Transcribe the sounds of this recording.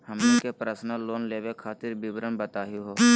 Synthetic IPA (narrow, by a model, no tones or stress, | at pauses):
həmokepɾəsnaloːnleːwekʰaːt̪ɪɾbɪbɾəmbət̪aːjuɦoː